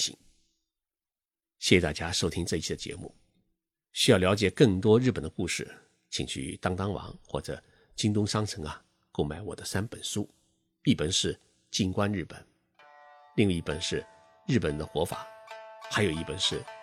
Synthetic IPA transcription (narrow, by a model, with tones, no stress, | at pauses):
ḭ˨˩˦ŋ | ɕjɛ˥˩ɕjɛ˧˥t̪a̰˥˩t͡ɕja˥ʂo˥ʊt̪ʰi˥ŋʈ͡ʂɤ˥˧i˥˩t͡ɕʰi˥˩d̪ə˩t͡ɕjɛ̰˧˥mṵ˥˩ | ɕy˥ɑ˥˩ʊljɑ˧˥ʊt͡ɕjɛ˨˩kɤ˥˩ŋt̪wɔ˥ɻ̩˥˩pə˨˩nd̪ə˦ku˥˧ʂɻ̩˥˩ | t͡ɕʰḭ˨˩ŋt͡ɕʰy̰˥˩t̪ɑ˥ŋt̪ɑ˥ŋwɑ̰˧˥ŋxwɔ̰˥˩ʈ͡ʂɤ̰˨˩ | t͡ɕi˥ŋt̪ʊ˥ŋʂɑ˥ŋʈ͡ʂʰɤ˧˥ŋɐ˧ | ko˥˩ʊma˧˩ɪwɔ˨˩ə˦sa˥npə̰˨˩nʂu˥ | i˥˩pə˨˩nʂɻ̩˥˧ | t͡ɕi˥˩ŋkwa˥nɻ̩˥˩pə̰˨˩˦n | li˥˧ŋwa˥˩˧i˥pə̰˨˩nʂɻ̩˥˧ | ɻɻ̩˥˩pə˨˩nd̪ə˦xwɔ˧˥fa̰˨˩˦xa˧˥ɪjo˨˩ʊi˥˩pə˨˩nʂɻ̩˥˩